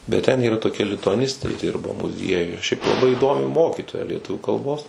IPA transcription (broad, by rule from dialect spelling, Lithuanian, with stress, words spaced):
bʲɛt ˈtʲɛn iːˈrɐ toːˈkʲɛ lʲɪtʊɐˈnʲɪsʲtʲeː ˈdʲɪrbɐ mʊˈzʲiɛjʊj ʃʲɛɪp lˠɐˈbɐɪ iːˈdoːmʲɪ ˈmoːkʲiːtoːjɛ lʲiɛˈtʊʋʲuː kɐlˠˈboːs